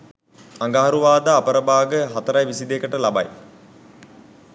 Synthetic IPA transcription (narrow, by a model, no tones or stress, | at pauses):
aŋɡaɦaɾuʋaːd̪aːpəɾəbaːɡəɦat̪əɾajʋisid̪eːkəʈəlaba̰j